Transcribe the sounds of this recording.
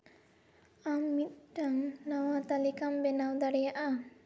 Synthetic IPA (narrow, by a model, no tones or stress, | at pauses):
amːit̪̚ʈaŋnawat̪alikambɛnawd̪aɽɛjaʔa